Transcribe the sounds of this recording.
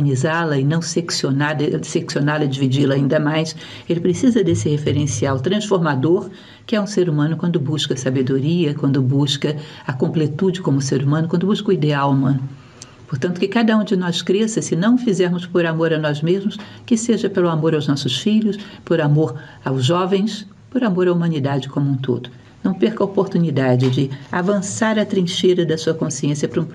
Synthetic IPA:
ɐnizalɐɪnɐ̃w̃seksionad̪seksionalɐɪd͡ʒivid͡ʒilɐaĩnd̪ɐmajs | elɪpɾesizɐd̪esɪhefeɾẽsiawt̪ɾɐ̃sfoɾmad̪oɾ | kɪɛũseɾumɐ̃nʊkwɐ̃nd̪ʊbuʃkɐsabed̪oɾiɐkwɐ̃nd̪ʊbuskɐ | ɐkõmplet̪ud͡ʒɪkõmʊseɾumɐ̃nʊkwɐ̃nd̪ʊbuskʊid̪eawumɐ̃nʊ | poɾt̪ɐ̃nt̪ʊ̥kɪkad̪ɐũd͡ʒɪnɔskɾesɐsɪnɐ̃w̃fizɛɾmʊspoɾamoɾɐnɔzmezmʊs | kɪseʒɐpelʊamoɾawznɔsʊsfiʎʊspoɾamoɾ | awzʒɔvẽj̃s | poɾamoɾɐumɐ̃nid̪ad͡ʒɪkõmũt̪o̰d̪ʊ | nɐ̃w̃peɾkɐopoɾt̪unid̪ad͡ʒɪd͡ʒɪavɐ̃saɾɐt̪ɾĩʃeɾɐd̪ɐsuɐkõsiẽsjɐpɾũ

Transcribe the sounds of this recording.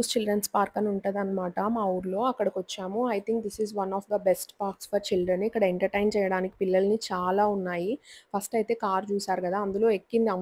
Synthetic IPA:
ust͡ʃilɖɾɐnspaːɾkɐnuɳʈaːd̪ɐnːɐmaːʈɐmaɐʋuɾlo̞ːɐkːɐɽɐkʋɐt͡ʃːaːmuɐjt̪ʰiŋkd̪isizʋɐnɔːfd̪ɐbesʈpaːɾksfɐɾt͡ʃilɖɾɐnikːɐɽɐeɳʈɐɾʈɐjnt͡ʃɛːjɐɽaːniki̥pilːɐlɐnit͡ʃaːlaːunːaːjipʰɐsʈɐjt̪e̞ːkaːɾt͡ʃuːsaːɾukɐd̪aːɐnd̪ulo̞ːekːind̪iɐm

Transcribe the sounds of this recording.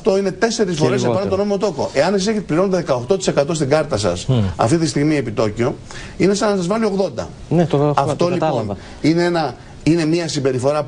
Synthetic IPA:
ɐft̪o̞ine̞t̪e̞se̞ɾisffo̞ɾesepɐnɐt̪ono̞meot̪oko̞ʔe̞ɐnesise̞çet̪epliɾo̞not̪eðe̞kɐo̞xt̪o̞t̪i̥se̞kɐt̪o̞s̬t̪iɡɐɾt̪ɐsɐ̰sɐ̰ft̪it̪ist̪iɣmie̞pit̪o̞cio̞ | ine̞sɐnɐsɐzvɐlio̞ɣðo̞nd̪ɐ̰ | nɐft̪o̞litpon | ineenɐ | ine̞mɲiɐsimbe̞ɾifo̞ɾɐ

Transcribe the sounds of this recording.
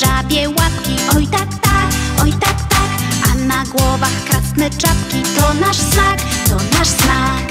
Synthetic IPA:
avʲjɛwapkʲiʔɔjt̪akt̪ak | ɔjt̪akt̪ak | ʔanaɡwɔvaxkɾasnɘt͡ʂapkʲit̪ɔnaʂsnakt̪ɔnaʂsnak

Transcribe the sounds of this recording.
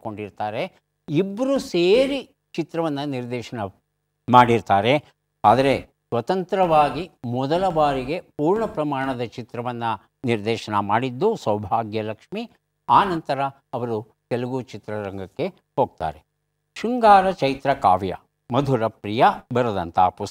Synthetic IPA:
ko̞ɳɖiɾt̪aːɾe̞ | ibːɐɾuseːɾi | t͡ʃit̪ɾɐʋɐnːɐniɾd̪ɛːʃɐnɐ | maːɽiɾt̪aːɾe̞ | aːd̪ɐɾe̞ | sʋɐt̪ɐnt̪ɾɐʋaːɡimɔd̪ɐlɐbaːɾiɡe̞puːɾɳɐpɾɐmaːɳɐd̪ɐt͡ʃit̪ɾɐʋɐnːɐ | niɾd̪ɛːʃɐnɐmaːɽid̪ːusɐwbʱaːɡjɐlɐkʂmi | aːnɐnt̪ɐɾɐ | ɐʋɐɾu | kɛlɐɡut͡ʃit̪ɾɐɾɐŋɡɐkːe̞ | ho̞ːɡ̚t̪a̰ːɾe | ʃuŋɡaːɾɐt͡ʃɐjt̪ɾɐka̰ːʋjɐ̰ | mɐd̪ʱuɾɐpɾijɐbɐɾɐd̪ɐnt̪ʰapus

